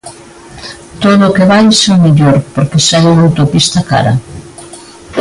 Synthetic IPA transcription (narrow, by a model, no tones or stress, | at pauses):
t̪oðʊkeβajseomeʎoɾpoɾkesɛuŋawt̪opist̪ɐka̰ɾɐ̰